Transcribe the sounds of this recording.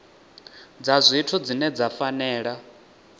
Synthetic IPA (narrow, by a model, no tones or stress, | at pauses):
d͡zazʷitʰud͡zinɛd͡zafanɛːɺa